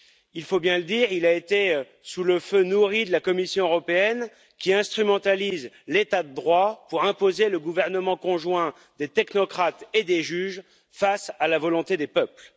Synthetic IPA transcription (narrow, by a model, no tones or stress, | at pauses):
ilfobjɛ̃ləd̪iːʁilaet̪e | suləfønuʁid̪əlakɔmisjɔ̃øʁɔpeɛn | kʲiɛ̃st̪χymɑ̃t̪aliz | let̪ad̪əd̪ʁwapuʁɛ̃pozeləɡuvɛʁnəmɑ̃kɔ̃ʒwɛ̃ | d̪et̪ɛknɔkχat̪ed̪eʒyʒ | fasalavɔlɔ̃t̪ed̪epœpl